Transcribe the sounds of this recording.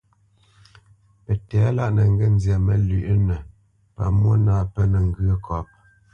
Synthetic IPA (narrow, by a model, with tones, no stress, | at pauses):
pə˨tɛː˨˦la˦ʔnə˨ŋ̩˦ɡə˦˨n˦zjɛ˨mə˨li˨ʔnə˨ | pa̰˨mwo˦naː˨˦˨pə˦nə˨ŋ̩˦ɡə˦kʰɔ˨p̚